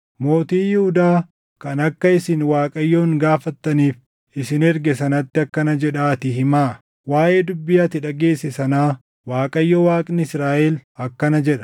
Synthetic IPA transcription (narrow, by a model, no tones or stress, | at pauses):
mo̞ːt̪iːjɪhʊd̪aː | kɐnɐkːɐɪsɪnwaːkʼɐjːoːŋɡaːfɐt̪ːɐniːf | ɪsɪnɛɾɡɛsɐnɐt̪ːɪɐkːɐnɐd͡ʒɛᶑaːt̪ɪhɪmaː | waːʔe̞ːd̪ʊbːɪjaːt̪ɪᶑɐɡe̞ːsːɪsɐnaː | waːkʼɐjːɔwaːkʼnɪɪsɾaːʔɛlɐkːɐnɐd͡ʒɛᶑɐ̥